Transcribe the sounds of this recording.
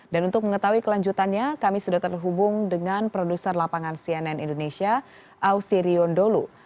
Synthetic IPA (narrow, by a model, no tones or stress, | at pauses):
danunt̪ʊk̚məŋət̪auikəlaɲd͡ʒut̪anɲakamisudat̪ərɦubʊŋdəŋanpɾodusərlapaŋansiɛnɛnindonesia | ʔawsiɾiɔndolu